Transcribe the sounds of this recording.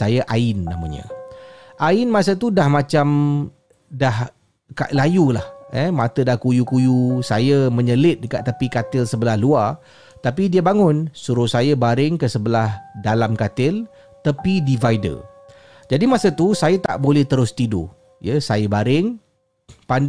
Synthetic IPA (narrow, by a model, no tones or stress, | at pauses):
sajaʔaɪnːa̰ma̰ɲə̰ʔaɪnmasət̪udahmat͡ʃam | dah | ka̰ʔlajulahɛmat̪ədahkujukujusajəməɲəlɪt̪̚dəka̰t̪ːapikat̪ɪlsəbəlahluar | t̪apidiəbaŋʊnsuɾʊsajəbaɾɪŋkəsəbəlahdalamkat̪ɪl | t̪apidivajdə̰ | d͡ʒadimasət̪usajat̪a̰ʔbolɛht̪əɾʊst̪ido̰ | jəsajəbaɾɪŋ | pan